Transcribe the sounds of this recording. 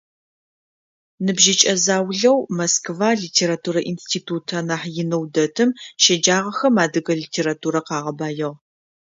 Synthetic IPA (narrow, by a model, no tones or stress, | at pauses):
nɨbʒɪt͡ʃʼɐzaːwɮɐwmɐskvaːɮitʰeːɾaːtʰuːɾɐʔinstʰiːtʰuːtʰɐnaːħjɪnɐwdɐtʰɨmʃɐd͡ʒaːʁɐxɐmaːdɨɣɐɮiːtʰeːɾatʰuːɾɐqɑːʁɐbaːjɐʁ